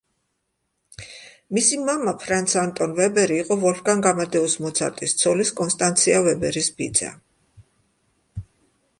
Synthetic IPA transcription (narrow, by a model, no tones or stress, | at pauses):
misimamapʰɾant̪sʰant̪ʼɔnvɛbɛɾiːqʼɔvɔlfɡaŋɡamad̪ɛɔsmɔt̪sʰa̰ɾt̪ʼist̪sʰɔliskʼɔnst̪ʼant̪sʰiavɛbɛɾisbid̪za̰